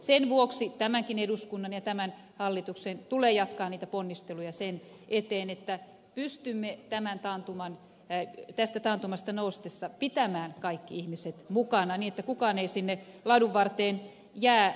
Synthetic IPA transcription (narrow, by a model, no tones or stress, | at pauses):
senʋuoksit̪æmæŋkineduskunːɑnjɑt̪æmæn | hɑlːit̪uksent̪uleːjɑt̪kɑːnniːt̪æponːist̪elujɑsen | ʔet̪eːnet̪ːæ | pyst̪ymːet̪æmænt̪ɑnt̪umɑn | t̪æst̪æt̪ɑnt̪umɑst̪ɑnoust̪esːɑpit̪æmæːnkɑikːiihmiset̪mukɑnɑniːnet̪ːækukɑːneisinːe | lɑduʋʋɑrt̪eːn | jæː